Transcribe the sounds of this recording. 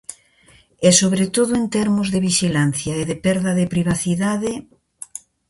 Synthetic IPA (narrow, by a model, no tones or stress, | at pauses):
esoβɾet̪oðʊent̪ɛɾmʊzðeβiʃilan̟θjɐeðepɛɾðɐðepɾiβ̞aθiðaðe